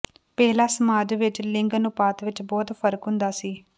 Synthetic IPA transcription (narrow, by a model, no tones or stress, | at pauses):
pɛːlaːsmaːd͡ʒʋɪt͡ʃːlɪŋɡənupaːt̪ʋɪt͡ʃːbɔːt̪pʰɐɾəkund̪aːsi